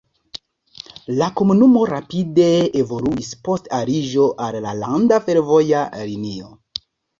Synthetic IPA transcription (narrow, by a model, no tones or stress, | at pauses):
lako̞munumo̞ɾapide̞evo̞luispo̞staɾiʒo̞ʔallalandafe̞ɾvo̞jalinio̰